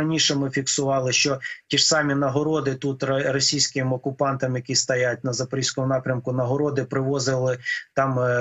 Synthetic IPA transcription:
ɐnʲiʃɛmɪfʲiksʊʋɑlˠɪʃt͡ʃɔtʲiʐsɑmʲinɐɦɔɾɔd̪ɪt̪ut̪rɔsʲijsʲkɪmɔkʊpɑnt̪ɐmjɐkʲist̪ɐjat̚ʲnɐzɐpɔɾʲisʲkɔmʊnɑpɾʲɐmkʊnɐɦɔɾɔd̪ɪpɾɪʋɔzɪlˠɪt̪ɑm

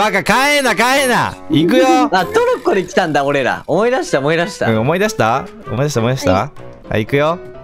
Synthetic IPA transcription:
akakaenːakaena̰ikɯ̟joat̪oɾokːod̪ekʲi̥t̪ãnd̪aoɾe̞ɾa̰omo̞id̪aɕi̥t̪aomoid̪aɕi̥t̪aɯ̃omo̞id̪aɕi̥t̪a | omoid̪aɕit̪aomo̞id̪aɕit̪a̰ | a̰ikɯ̟jo

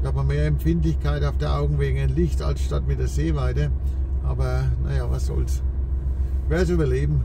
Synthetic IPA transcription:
aːbmameːɐɛmpfɪntlɪçkʰaɪtaʊfd̥eːɐʔa̰ʊɡŋ̩veːɡŋ̩anlɪçta̰lsʃtatmɪt̚d̥eːɐzeːvaɪtəʔa̰ːbɐna̰javasɔ̰ls | veːs̬yːbɐleːbm̩

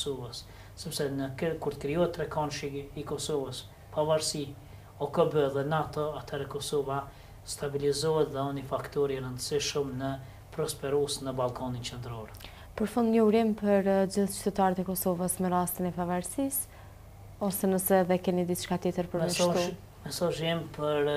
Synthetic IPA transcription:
ɔsɔvəsː | ɛpsɛnəkuɾt̪ə̥kɾiɔɛt̪ːɾɛkanʃiikɔsɔvəs | pavaɾsi | ɔkəbəðɛnat̪ɔat̪ʰhɛɾɛkɔsɔva | st̪abilizɔɦɛt̪ðɛɔnifakt̪ɔɾiɾənd̪əsiʃəmnə | pɾɔspɛɾusnəbalˠkanint͡ʃɛnd̪ɾɔɾɛ | pəɾfund̪ɲəuɾimpəɾd͡ʑiθt͡ʃt̪ɛt̪aɾət̪ɛkɔsɔvəsmɛɾast̪inɛpavaɾsis | ɔsɛnəsɛðɛkɛnid̪it̪ʃkat̪jɛt̪əɾpəɾmmət̪u | mɛsaʒimpʰəɾ

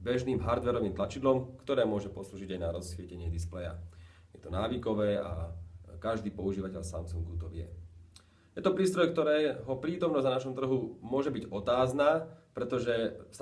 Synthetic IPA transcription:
bɛʒniːmɦaɾd̪ʋɛɾɔʋiːmt̪lat͡ʃid̪lɔmkt̪ɔɾɛːmʊɔʒɛpɔsluːʒiɟajnaɾɔsʋɪɛcɛɲɪɛd̪isplɛja̰ | jɛt̪ɔnaːʋikɔʋɛːa̰kaʒd̪iːpɔuʒiːʋacɛʎsa̰msuŋɡut̪ɔʋɪɛ̰ | jɛt̪ɔpɾiːst̪ɾɔjk̚t̪ɔɾɛːɦɔpɾiːt̪ɔmnɔznanaʃɔmt̪r̩ɦumʊɔʒɛbiɟɔt̪aːznaːpɾɛt̪ɔʒɛs

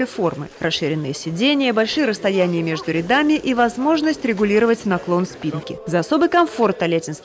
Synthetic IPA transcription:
əjəfo̞rmɨ̰rʔɐsʂɨɾʲɪnːɨjəsʲɪdʲenʲɪjəbɐlʲʂɨjəɾəst̪ɐjænʲɪjəmʲe̞ʐd̪ʊɾʲɪd̪amʲɪʔivɐzmo̞ʐnəsʲtʲɾʲɪɡʊlʲiɾəvətʲnɐklˠo̞nspʲinkʲɪzɐːso̞bɨjkɐmfo̞rt̪ɐlʲetʲɪnst̪

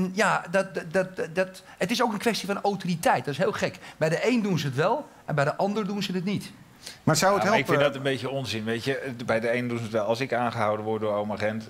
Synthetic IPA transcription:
njadt̚tdt | ətɪsowkənkʋɛstifɑnowtoritɛjt̚dɔtɪsɦɪːlˠχɛkbɛjdəʔejndunzəətʋɛlˠ | ɛnbɛjdəʔɑndərdunzənətnit | maːsawətɦɛlˠɪkfɪdɔtənbejtjəɔnzɪnʋejcəbɛjdəejnədunzətʋɛlˠɑlˠsɪkaːnχəɦawdənʋɔɹdʊːɹowməχɛnt

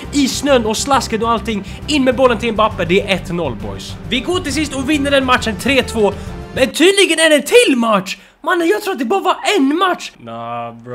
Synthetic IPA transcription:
isnœnːɔslaskənɔalt̪ɪŋː | ɪnːmɛːbɔlːənt̪ʰɪlɛnpapːəɖɛæɾʔɛt̪nɔlːbɔ̰jsvɪɡoːʈɪls̬ɪst̪ɔvɪnːəɖɛnmat̪ʂənt̪ʰɾeːt̪ʰvoːmɛnt̪ʰyːd̪lɪɡənæɖɛt̪ʰɪlmaʈʂ | manːənjɑːɡt̪ʰɾuːat̪̚d̪ɛbɑːɾəvɑɾɛnmat̪ʂ

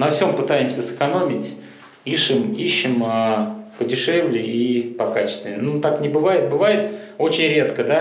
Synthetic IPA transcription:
nɐfsʲo̞mpɨt̪ajɪmsʲəsɨ̥kɐno̞mʲɪtʲ | iʂɨmiɕːɪmapədʲɪʂɛvlʲɪipɐkat͡ɕɪ̥st̪vʲɪnʲɪnut̪aknʲɪbɨvajɪt̪̚bɨvajɪt̪ot͡ɕɪnʲɾʲe̞t̪kəd̪a

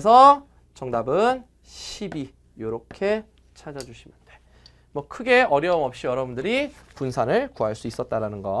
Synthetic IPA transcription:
esʰʌ | t͡ɕʌŋdabɯn | ɕʰibi | joɾokʰe̞ | t͡ɕʰad͡ʑad͡ʑuɕʰimjʌnd̥e̞ | mwʌkʰɯɡe̞ʌɾjʌɯmʌp̚ɕ͈ijʌɾʌbundɯɾipunsʰanɯɭkuaɭs͈uis͈ʌt̚t͈aɾanɯnɡʌ

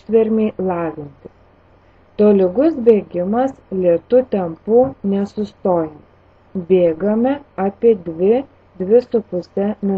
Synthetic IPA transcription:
t̪ʲʋʲɛɾʲmʲeɪlˠɑːʋʲɪnʲt̪ʲɪs | t̪oːlʲɪɡʊsbʲeːɡʲɪmɐslʲiɛt̪uːt̪ʲɛmpuːnʲɛsʊst̪oːjɛ | bʲeːɡɐmʲɛaːpʲiɛd̪ʲʋʲɪ | d̪ʲʋʲɪsʊpʊsʲɛmʲɪ

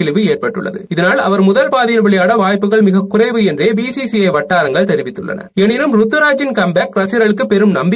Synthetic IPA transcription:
ɪɭɪʋɯeːʈ̚pɐʈːɯ̰ɭːɐ̰ðɯ̰ɪðɐnaːlɐʋɐɾmʊðɐlpaːðɪjɐlʋɪɭɪjaːɽɐʋaːjpːɯɣɐɭmɪɣɐkːʊrɐɪʋɯɛndreːbiːsiːsiɐɪʋɐʈːaːɾɐŋɡɐɭt̪ɛɾɪʋɪt̪ːɯɭːɐ̰nɐ̰ɛnɪnɯmɾʊt̪ːɯɾaːd͡ʒɪnkɐmbaːkɾɐsɪɾɐɭɯkːɯpːɛɾɯmnɐmbɪ

